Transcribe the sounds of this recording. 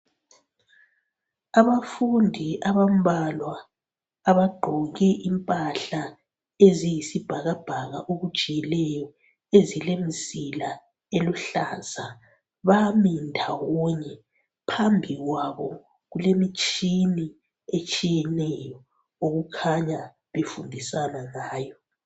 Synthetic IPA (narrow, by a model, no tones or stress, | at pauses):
aβafundʱiʔaβam̩bʱalwaː | βaɡ͡ǃʱɔɣɛʔimpʼaɬa | ezijisib̥ʱaɣab̥ʱaɣa̰ʔoɣud̥ʒ̥ʱijɛlɛjɔ | ezilemisila | eluɬaːz̥a | βamindʱawɔɲɛ | pʰambʱiɣwaβɔ | ɣulemit͡ʃʼini | et͡ʃʼijɛnɛjɔ | oɣukʰaɲa | βefundʱisanaŋaːjɔ